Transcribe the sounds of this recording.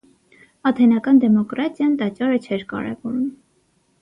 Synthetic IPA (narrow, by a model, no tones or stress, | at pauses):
ɑt̪ʰɛnɑkɑnd̪ɛmɔkɾɑt̪jɑnt̪ɑt͡ʃɑɾət͡ʃʰɛɾkɑ̰ɾɛ̰vɔɾum